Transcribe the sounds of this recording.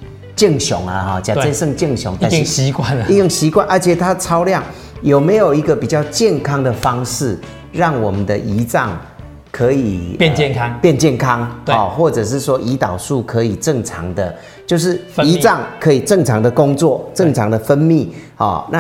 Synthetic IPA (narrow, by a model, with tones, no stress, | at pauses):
t͡ɕi˥˨˩ŋɕjʊ̰˨˩˦ŋə˨˩hɔ˥˩t͡ɕja˨˩e˥sə˥˧ŋt͡ɕə˥˩ŋɕjʊ̰˨˧˦ŋt̪a˧˨˦ɕi˧kwa˥˨n˨i˥˧jo˥˩ŋɕi˧˥kwa˥˨nʔə˞˧˥t͡ɕʰjɛ˨˩t̪ʰa˥ə˨t͡sʰɑ˥ʊljɑ˥˩ŋ | jo˨˩ʊme˧˥ɪjo˨˩ʊi˧˥ɡə˨pi˨˩t͡ɕjɑ˥˧ʊt͡ɕjɛ˥˨nkʰɑ˥ŋd̪ə˨fɑ˦ŋʂɻ̩˥˩ | ɻɑ˥˩ŋwɔ˨˩mə˨˦nd̪ə˨ʔi˧˥t͡sɑ˥˩ŋ | kʰɤ˧˦i˨˩˥nt͡ɕɛ˥˨nkʰɑ˦ŋpjɛ˥˧nt͡ɕjɛ˥˩nkʰɑ˦ŋɔ˥˩xwɔ˥˩ʈ͡ʂɤ˨˩ʂ̬ɻ̩˥˩swɔ˦ʔi˧˥t̪ɑ˨˩ʊsu˥˩kʰɤ˧˦i˨˩ʈ͡ʂɤ˥˩ŋʈ͡ʂʰɑ˧˥ŋd̪ə˧ | t͡ɕjo˥˧ʊʂ̬ɻ̩˥˩i˧˥t͡sɑ˥˩ŋkʰɤ˧˦˥i˨˩ʈ͡ʂɤ˥˩ŋt͡sʰɑ˧˦ŋd̪ə˨kʊ˦ŋt͡swɔ˥˨ʈ͡ʂə˥˨˩ŋt͡sʰɑ˧˥ŋd̪ə˨fə˦nmi˥˨hɔ̰˥˩na˥˧